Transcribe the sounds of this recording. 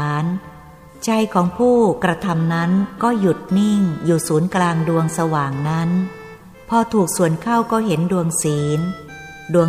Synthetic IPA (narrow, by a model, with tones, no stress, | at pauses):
n | t͡ɕa˧jkʰɔː˩˦ŋpʰuː˥˩kɾa˧t̪ʰa˧mna˦˥nkɔː˥˩ju˨˩t̪̚ni˥˩ŋjuː˨˩suː˩˦nklaː˧ŋdu˧əŋsa˧waː˨˩ŋna˦˥n | pʰɔː˧t̪ʰuː˨˩k̚su˨˩ənkʰa˥˩wkɔː˥˩ɦe˩˦ndu˧əŋsiː˩˦n | du˧ə